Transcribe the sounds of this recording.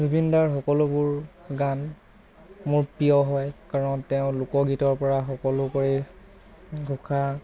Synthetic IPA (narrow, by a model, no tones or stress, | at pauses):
zubindaɹxɔkɔlʊbʊɹɡan | mʊɹpiɔɦɔjkaɹɔntɛʊ̃lʊkɔɡitɔɹpɔɹaxɔkɔlʊkoɹi | ɡʱukʰa